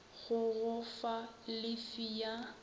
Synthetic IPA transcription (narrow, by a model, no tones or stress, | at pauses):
ɣʊɣʊfalɪfija